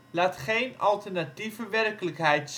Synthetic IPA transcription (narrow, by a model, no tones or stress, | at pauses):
laːtχejnɑlˠtərnativəʋɛrkələkɦɛjts